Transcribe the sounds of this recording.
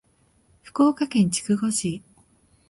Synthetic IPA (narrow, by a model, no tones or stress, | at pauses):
ɸɯ̟̥ko̞ːkakẽ̞ɲ̟t͡ɕi̥kɯ̟ɡo̞ɕi